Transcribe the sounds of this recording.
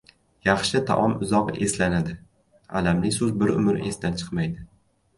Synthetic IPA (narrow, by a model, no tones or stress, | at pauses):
jɑχʃɪt̪ʰa̰ʔɒmʊzɒqe̞slanad̪ɪ | a̰lamlɪsʊzbɪɾʊ̰mɪɾe̞sd̪ant͡ʃʰɨ̥qmajd̪ɪ